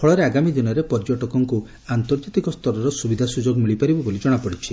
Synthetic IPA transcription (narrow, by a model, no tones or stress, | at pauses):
pʰɔɭɔɾeaɡamid̪inɔɾepɔɾd͡ʒɔʈɔkɔŋku | ant̪ɔɾd͡ʒat̪ikɔst̪ʰɔɾɔɾɔsubid̪ʱasud͡ʒoɡmiɭipaɾibɔbolid͡ʒɔɽ̃apɔɽit͡ʃʰi